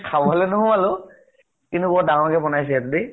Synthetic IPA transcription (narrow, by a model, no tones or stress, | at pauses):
kʰabɔɦlɛnʊɦɔ̃alʊ | kintubɔɹdaŋɔɹkɛbɔnajs̬ɛɛtudi